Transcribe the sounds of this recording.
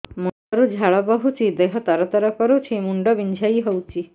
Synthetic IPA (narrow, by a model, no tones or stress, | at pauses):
munɔɾud͡ʑʱaɭɔbɔɦut͡ɕid̪eɦɔt̪aɾɔt̪ɔɾɔkɔɾut͡ɕimuɳɖɔbiɲd͡ʑʱjaiɦɔwt͡ɕi